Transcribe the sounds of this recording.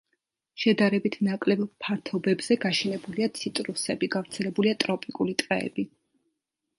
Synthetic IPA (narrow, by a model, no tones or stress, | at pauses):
ʃɛd̪aɾɛbit̪ʰnakʼlɛbpʰaɾt̪ʰɔbɛbz̥ɛɡaʃɛnɛbuliat̪sʰit̪ʼɾusɛbiɡavɾt̪sʰɛlɛbuliat̪ʼɾɔpʼikʼulit̪ʼqʼɛɛ̰bi